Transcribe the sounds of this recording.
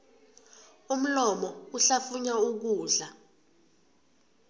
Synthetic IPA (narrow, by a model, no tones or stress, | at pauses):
um̩lɔmɔuɬafuɲauk̬uːɮa